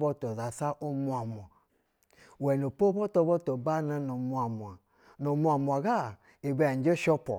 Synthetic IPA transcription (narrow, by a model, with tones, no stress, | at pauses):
bo˦to˨za˨sa˦ʔo˦mu˦a˨mʷ˨a˨ | wɛ˨no˨po˦o˦to˦bo˦to˨ba˦na˦no˨mu˦a˨mu˨a˨ | no˨mu˦a˨mu˨a˨ɡa˦˨ | e˨be˦˨n˦d͡ʒe˦ʃɔ˦pɔ̰˨